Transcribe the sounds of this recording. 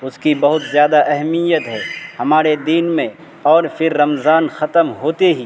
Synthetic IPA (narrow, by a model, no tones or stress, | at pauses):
ʊskibɐɦʊt̪zjaːd̪aʔɛɦɛmijət̪ɦɛːhɐmaːɾed̪iːnmẽ | ɔːɾfʰɪɾːɐmzaːnxɐt̪əmɦoːt̪eɦiː